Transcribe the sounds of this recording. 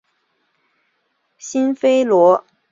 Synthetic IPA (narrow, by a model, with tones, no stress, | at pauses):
ɕi˥nfe˥ɪlwɔ˧˥